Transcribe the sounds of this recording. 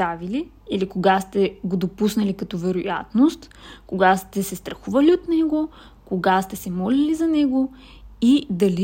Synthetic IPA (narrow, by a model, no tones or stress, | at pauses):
avili | ilikoɡast̪ɛɡod̪opusnɐlikɐt̪ɔvɛɾoja̰t̪nost̪koɡast̪ɛsɛst̪ɾɐxuvɐliot̪nɛɡo | koɡast̪ɛsɛmɔlɛlizɐnɛɡo | id̪ɐli